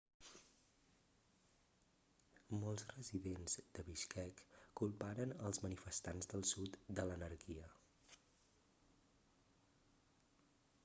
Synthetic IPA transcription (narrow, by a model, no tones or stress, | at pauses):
mɔlˠzrəziðenzd̪əβiʃkʰɛkːulˠpaɾənəlˠzmənifəst̪anzd̪əlˠsut̪d̪ələnəɾkiə